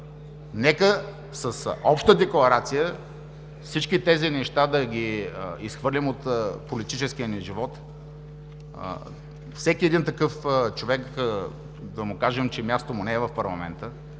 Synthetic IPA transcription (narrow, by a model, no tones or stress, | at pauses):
nɛkə | səsɔpʃt̪əd̪ɛklˠɐɾat̪sijə | fsit͡ʃkʲit̪ɛzinɛʃt̪ad̪ɐɡʲiisxvɤɾlʲimot̪polit̪it͡ʃɛskiəniʒivɔt̪ | fsɛkʲiɛd̪int̪ɐkɤft͡ʃovɛk | d̪ɐmʊkaʒɛmt͡ʃɛmʲjast̪omʊnɛɛvɐfpɐɾlˠɐmɛ̰nt̪ə